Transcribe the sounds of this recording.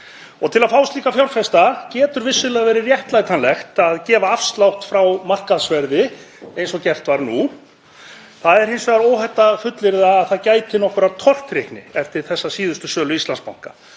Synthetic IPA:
ɔt̪ʰɪlaðfaːwst̪liːkafjawɾfɛst̪acɛːt̪ʏɾvɪsːʏlɛaɣvɛːɾɪrjɛht̪lajt̪anlɛxt̪aðcɛːvaafst̪lawht̪fɾawmar̥kaðsvɛɾðɪ | ejnsɔcɛr̥t̪vaɾnu | θaðɛɾ̥hejnsvɛːɣaɾoːwɦɛt̪ːafʏt̪lɪɾðaːðθaðcaːjt̪ɪnɔhkʏɾat̪ʰɔr̥t̪ɾehknɪ̰ɛft̪ɪɾ̥θɛsːasiːðʏst̪ʏsœːlʏist̪lanspawŋ̥ka

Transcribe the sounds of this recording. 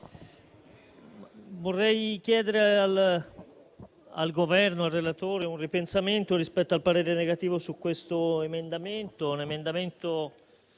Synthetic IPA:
vorːɛjkjɛːd̪eɾeal | a̰lɡovɛrnoarːelat̪oːɾeunripensament̪oɾispɛt̪ːoalpaɾeːɾeneɡat̪iːvosukːwest̪oemend̪ament̪onemend̪ament̪o

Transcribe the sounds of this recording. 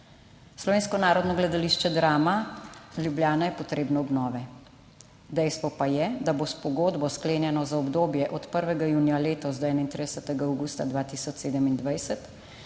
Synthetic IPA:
slɔʋeːnskɔnaːɾɔd̪nɔɡlɛd̪aliʃt͡ʃɛd̪ɾaːmaljubljaːnajɛpɔt̪ɾeːbnɔɔbnɔːʋɛ | d̪ɛjst̪ʋɔpajɛd̪abospɔɡoːd̪bɔskleːnjɛnɔzaɔbd̪oːbjɛʔɔt̪pəɾʋɛɡajuːnjaleːt̪ɔzd̪ɔɛːnaint̪ɾid̪ɛsət̪ɛɡaːwɡuːst̪ad̪ʋaːt̪isɔt͡ʃseːd̪əmind̪ʋajsɛt̪

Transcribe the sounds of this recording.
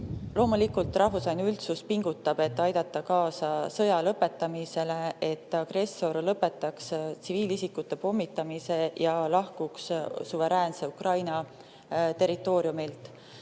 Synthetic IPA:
lo̞ːmulikːult̪ˑrɑhfusvɑjnylt̪suspiŋɡ̥ut̪ːˑɑb̥e̞t̪ːɑjd̪̥ɑt̪ːˑɑkɑːsɑsɤ̞jɑlɤpːe̞t̪ˑːɑmise̞le̞et̪ˑːɑɡ̥re̞sːo̞rlɤpːe̞t̪ːˑɑkst̪siviːlisikːut̪ːe̞po̞mːit̪ːˑɑmise̞jɑlɑhkukssuve̞ɾæːnse̞ukrɑjnɑ | t̪e̞ɾˑit̪ːˑo̞ːɾjumilt̪ˑ

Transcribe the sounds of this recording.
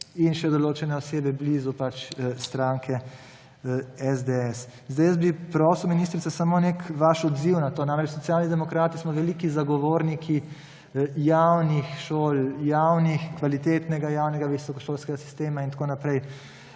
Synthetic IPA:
inʃɛd̪ɔloːt͡ʃɛnɛɔseːbɛblizupat͡ʃst̪ɾaŋkʰɛ | ɛzd̪eɛs | zd̪ɛjəzbipɾɔsɔminiːst̪ɾit̪sasamoːnekʋaʃɔd̪ziwnat̪oːnamɾɛt͡ʃsɔt̪sjaːlnid̪ɛmɔkɾaːt̪ismɔʋɛlikizaɡɔʋoːɾnikʰi | jawnixʃoːljawnixkʋalit̪eːt̪nɛɡajaːwnɛɡaʋisɔkɔʃoːlskɛɡasi̥st̪eːmaint̪akoːnapɾɛj

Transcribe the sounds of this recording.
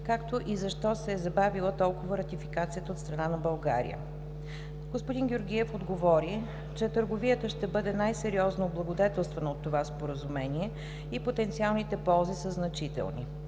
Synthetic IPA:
kakt̪oʔizɐʃt̪ɔsɛːzɐbavilˠət̪ɔlˠkʊvəɾɐt̪ifikat̪sijət̪əot̪st̪ɾɐnanɐbɐlˠɡa̰ɾḭjə̰ | ɡospʊd̪inɡʲoɾɡʲiɛfod̪ɡovɔɾi | t͡ʃɛt̪əɾɡovijət̪əʃt̪ɛbɤd̪ɛnajsɛɾiɔznoblˠɐɡod̪ɛt̪ɛlˠst̪vɛnɐot̪ːovaspoɾəzumɛniɛ | ipot̪ɛnt̪sialˠnit̪ɛpɔlˠzisəznɐt͡ʃit̪ɛ̰lˠnḭ

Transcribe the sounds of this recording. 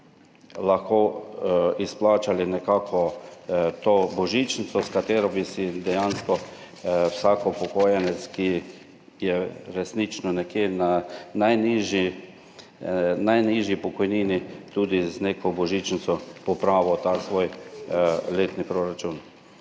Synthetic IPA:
laxkoː | isplaːt͡ʃalinɛkaːkʰɔ | t̪oːbɔʒit͡ʃnit̪sɔskat̪eːɾɔbisid̪ɛjanskɔ | wsaːkɔpɔkojanɛt̪ski | jɛɾɛsnit͡ʃnɔnɛkjeːnanajniʒi | najniʒjipɔkɔjniːnit̪uːd̪izneːkɔbɔʒit͡ʃnit̪sɔpɔpɾaːʋɔt̪aːsʋoːj | leːt̪nipɾoɾat͡ʃun

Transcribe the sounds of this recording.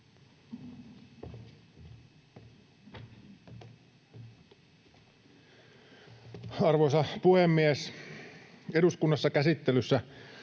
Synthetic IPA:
ɑrʋosɑpuhemːies | eɾuskunːɑsːɑkæsit̪ːelysːæ

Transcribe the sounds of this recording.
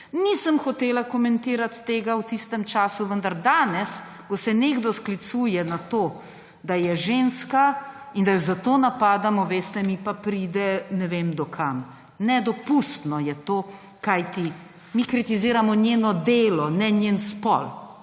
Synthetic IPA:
nisəmxɔt̪eːlakɔmɛnt̪iːɾat̪ːeːɡawt̪ist̪ɛmt͡ʃaːsuʋənd̪aɾd̪aːnɛs | kɔsɛneːɡd̪ɔsklit̪suːjɛnat̪oː | d̪ajɛʒeːnskaind̪ajɔzat̪oːnapaːd̪amɔʋeːst̪ɛmipapɾiːd̪ɛnɛʋeːmd̪ɔkʰam | nɛd̪ɔpust̪nɔjɛt̪oː | kajt̪i | mikɾit̪iziːɾamɔnjeːnɔd̪eːlɔnɛnjenspɔ̰l

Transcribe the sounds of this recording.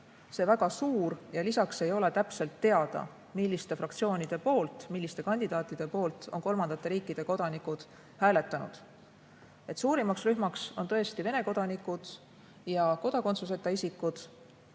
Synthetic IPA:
se̞væɡ̥ɑsuːrjɑlisɑkse̞jo̞le̞t̪æpse̞lt̪ːe̞ɑd̪̥ɑ̰ | milːist̪e̞frɑk̚t̪sio̞ːnʲid̪̥e̞po̞ːlt̪milːist̪e̞kɑnʲd̪̥id̪̥ɑːt̪ːˑid̪̥e̞po̞ːlt̪ˑo̞̰nko̞lmɑnd̪̥ɑt̪ːˑe̞ɾiːkːˑid̪̥e̞ko̞d̪̥ɑnikud̪̥ | hæːle̞t̪ːˑɑnṵd̪̥ | e̞t̪suːɾimɑksryhmɑkso̞nt̪ɤest̪ive̞ne̞ko̞d̪̥ɑnikːˑud̪̥ | jɑko̞d̪̥ɑko̞nt̪sus̬e̞t̪ːˑɑisikːud̪̥

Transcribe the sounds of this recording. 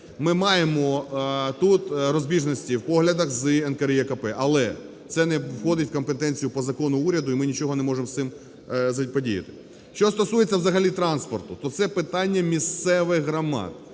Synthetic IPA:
mɪmɑjemɔt̪ut̪ɾɔzʲbʲiʒnɔsʲtʲiwpɔɦlʲɐd̪ɐxzɨɛnkɐɾjɛkɐpɛʔɐlˠɛ | t̪sɛnɛwxɔd̪ɪtʲwkɔmpet̪ɛnʲt͡sʲijʊpɔzɐkɔnʊuɾʲɐd̪ʊimɪnʲit͡ʃɔɦɔnɛmɔʐɪmsɪm | zɐpɔdʲijɐ̰t̪ɪ̥ | ʃt͡ʃɔst̪ɔsujet͡sʲːɐwzɐɦɐlʲit̪ɾɑnspɔrt̪ʊt̪ɔt̪sɛpɪt̪ɑnʲːɐmʲist̪sɛʋɪxɦɾɐmɑ̰t̪̚

